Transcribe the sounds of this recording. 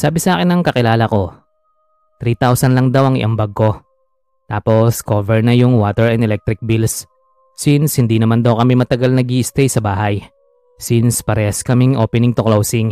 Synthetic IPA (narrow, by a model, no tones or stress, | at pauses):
saːbɪsɐʔaːkɪnɐŋkɐkɪlaːlɐko̞ | t̪ɾit̪awsɐnlɐŋd̪ɐwɐŋɪ̰ʔɐmbaɡ̚ko̞ | t̪aːpo̞skoːvɛɹnɐjʊŋwaːt̪ɛɹɛnd̪ɛlɛk̚t̪ɾɪk̚bils | sinshɪnd̪inɐmand̪ɐwkɐmɛmɐt̪ɐɡalnɐɡiʔɪst̪ɛjsɐbaːɦɐj | sinspɐɾɛskɐmɪŋʔo̞̰ːpɛnɪŋt̪oklowsɪŋ